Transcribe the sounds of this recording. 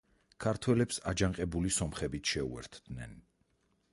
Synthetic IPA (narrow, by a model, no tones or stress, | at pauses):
kʰaɾt̪ʰwɛlɛpsad͡ʒaŋqʼɛbulisɔmχɛbit̪ʰʃɛṵɛ̰ɾt̪ʰd̪̥nɛ̰n